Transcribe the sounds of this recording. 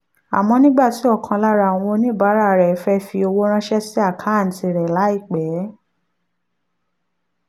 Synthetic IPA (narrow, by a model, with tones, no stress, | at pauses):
a̰˨mɔ̃˧nĩ˦ɡ͡ba˦˨ti˨˦ɔ˦˨kʰã˧la˦ɾa˧˨w̃o˧nĩ˦ba˨˦ɾa˦˨ɾɛ˨˦fɛ˦fi˧o˧wo˦ɾ̃ã˦ʃɛ˦si˦a˦˨kʰa˨˦˨n̩˨ti˨ɾɛ˨la˨˦i˦˨k͡pɛ˨˦